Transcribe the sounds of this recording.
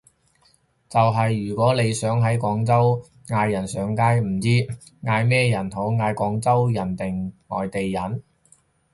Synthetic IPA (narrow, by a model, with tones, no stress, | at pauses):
t͡sɐ˨wɦɐ˨jːyː˨˩kʷɔː˨˥le˨˧jsœː˨˥ŋɦɐ˨˥jkʷɔː˨˥ŋt͡sɐ˥w | ŋaː˧jːɐ˨˩nsœː˨˧˥ŋkaː˥jm̩˨˩t͡siː˥ | ŋaː˧jmɛː˥jɐ˨˩nɦo˨˥wŋaː˧jkʷɔː˨˥ŋt͡sɐ˥wjɐ˨˩nt̪ɪ˨˩ŋŋɔ̰ː˨jt̪e˨jːɐ˨˩n